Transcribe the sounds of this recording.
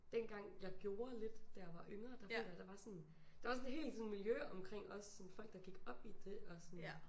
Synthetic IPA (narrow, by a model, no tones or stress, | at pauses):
d̥enɡ̥ɑ̈ŋ̰jɑ̈ɪɡ̥jo̝ːɐle̝d̥ːæjɑ̈ʋɑ̈ʔøŋɐd̥ɑ̈fjɑd̥ɑ̈ʋɑ̈sɒn | d̥ɑ̈ʋɑ̈sɔnɦe̝̰ːld̥sɔnmiljøɒmkʰʁeŋ̰ɒ̽ssɒ̽nfɒ̽l̰ɡ̥d̥ɑ̈ɡ̥iɡ̥ɒ̽b̥id̥e̝ɒ̽sɔn